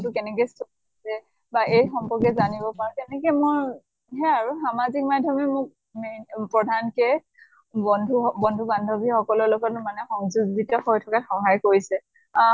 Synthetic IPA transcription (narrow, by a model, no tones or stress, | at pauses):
tukɛnɛkɛsto | sɛ | baʔejxɔmpɔɹkɛzanibɔpaɹɔkɛnɛkɛmoɹ | ɦɛaɹuxamazik̚madʱjɔmɛmʊk̚ | mepɹɔdʱankɛ | bɔndʱubɔndʱubandʱɔbʱixɔkɔlɔlɔɡɔtmanɛxɔŋzuɡɡitɔhojtʰɔkaxɔɦajkoɹisɛ